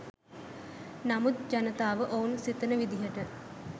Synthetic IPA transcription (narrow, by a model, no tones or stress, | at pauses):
namud̪̚d͡ʒanət̪aːʋəʔounsit̪ənəʋid̪iɦəʈə